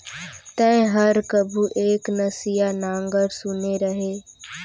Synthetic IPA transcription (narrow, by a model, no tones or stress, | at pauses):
t̪ə̃ɪ̃ɦɐɾkəbʱuʔeːknəsijanãːŋɡəɾsʊneɾəɦeː